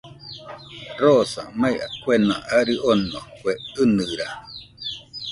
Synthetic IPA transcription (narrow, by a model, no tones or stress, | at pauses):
ɾosã̰majakʷenã̰ʔaɾɨʔonokʷweɨnɨɾa